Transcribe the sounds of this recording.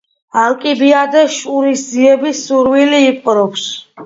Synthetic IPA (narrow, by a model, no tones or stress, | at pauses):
alkʼibiad̪ɛʃuɾisziɛbisuɾwiliːpʼɾɔps